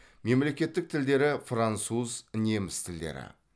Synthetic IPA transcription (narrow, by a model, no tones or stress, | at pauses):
me̞mle̞kʲe̞t̪ːɪk̚t̪ʰɪld̪e̞ɾɪfrant̪suzɪne̞mɪst̪ʰɪld̪e̞̰ɾɪ̰